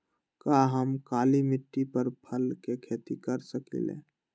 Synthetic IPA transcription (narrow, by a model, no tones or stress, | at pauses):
kaɦəmkaːlimɪʈːipəɾpʰəlkekʰeːt̪ikəɾsəkḭlḛ̃ː